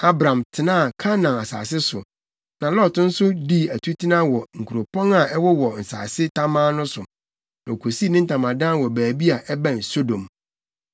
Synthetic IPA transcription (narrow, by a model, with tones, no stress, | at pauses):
a˦bɾã˨mtʰɪ˨nã˦˨kʰã˦nã˨a˨sa̰ː˨sɪ˦sʊ˨ | nã˨lɔ˦˨tn̩˦sʊ˦di˦æ˨tʰu˦tʰi˦nã˦wɔ˨ŋ̩˨kʰu˨ɾo˨pʰɔ̃˦ŋa˨ɛ˦wɔ˦wɔ˨n̩˨sa̰ː˨sɪ˦tʰa˦mãː˦nʊ̃˦sʊ̃˨ | nã˨o˨kʰo˨si˦˨nɪ̃˦n̩˦tʰã˨mã˨dãː˦˨wɔ˨bæː˨bi˦a˨ʔɛ˦bã˦˨n̩˨so˦dõ˨m